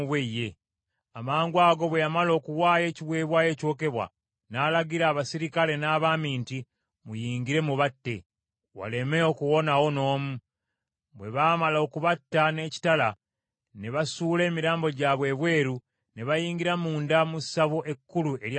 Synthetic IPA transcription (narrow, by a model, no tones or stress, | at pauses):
βweje | amaːŋɡwaːɡo̞βwe̞jamalo̞ːkuwaːje̞ːciβwe̞ːβwaje̞ːco̞ːke̞βwa̰ | naːlaɡiɾaːβasiɾikale̞naːβaːmiːnti | mujiːŋɡiɾe̞muβatːe̞ | wa̰le̞meo̞kuwo̞nawo̞no̞ːmu | βwe̞βaːmalo̞kuβatːane̞ːci̥tala | ne̞βasuːle̞ːmiɾaːmbo̞ɟaβwe̞ːβwe̞ːɾu | ne̞βajiːŋɡiɾamuːndamusaβoʔe̞kːuluʔeɾj